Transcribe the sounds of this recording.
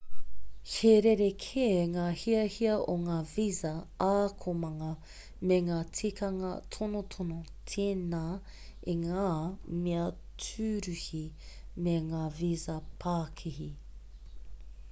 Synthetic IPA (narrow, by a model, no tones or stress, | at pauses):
heɾeɾekʰeŋaːhiɐhiɐʔoŋaːvizɐaːkʰomɐŋɐ | meŋaːtʰikʰɐŋɐt̪ʰonot̪ʰono | tʰeːnaː | eŋaːmiɐ | tʰʉːɾʉhi | meŋaːvizɐpʰaːkʰihi